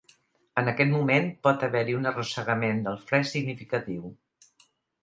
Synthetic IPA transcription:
ənəkɛt̪mumenpɔt̪əβɛɾiunərusəɣəmend̪əlˠfɾɛsiɡnifikət̪iw

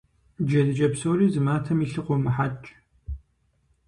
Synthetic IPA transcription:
d͡ʒɐdɨt͡ʃʼɐpsoːɾiːzɨmaːtʰɐmiːɬɨqʷɔmɨħat͡ʃʼ

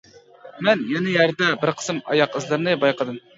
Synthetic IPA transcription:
mɛnjɛnɪjæɾd̪ɛbɪɾqʰə̥sɨmɑ̰jɑqɨzlˠɨɾnɨbɑjqəd̪ɨm

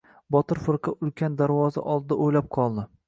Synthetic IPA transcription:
bɒt̪ɪɾfɪɾqʰɑʔʊlkʲʰand̪aɾvɒza̰ʔɒlˠd̪ɪd̪aʔojlap̚qʰɒlˠd̪ɪ

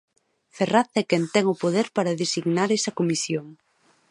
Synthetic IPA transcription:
feraθɛkɛnt̪ɛŋʊpoðeɾpaɾɐðesiɣnaɾɛsɐkomisjoŋ

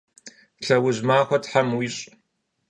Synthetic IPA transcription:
ɬɐwʊʑmaːxʷɐtħamwiːɕʼ

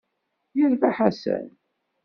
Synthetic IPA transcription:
jəɾvaħasə̰n

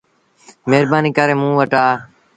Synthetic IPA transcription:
meːɾbaːniːkəɾẽːmũːʋəʈaː

